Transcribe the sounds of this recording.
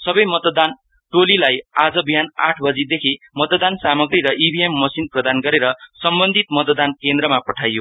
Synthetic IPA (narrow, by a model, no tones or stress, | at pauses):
sʌbʌjmʌt̪d̪an | ʈolilajad͡zʌbijana̰ʈʰbʌd͡zid̪ekʰi | mʌt̪d̪ansamʌɡɾiɾʌʔibʱiemːʌsinprʌd̪anɡʌɾeɾʌsʌmbʌnd̪ʱit̪mʌt̪d̪ankend̪rʌmapʌʈʰajo